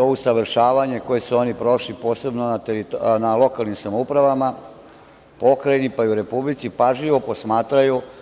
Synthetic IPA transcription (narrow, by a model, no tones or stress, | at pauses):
ousaʋɾ̩ʃaːʋaɲe̞ko̞jesuo̞nipɾo̞ʃlipo̞ːse̞bnonat̪eɾit̪nalo̞kalˠnimsamoupɾaʋama | po̞kɾajnipaiuɾe̞publit̪sipaʒʎiʋo̞po̞smaːt̪ɾaju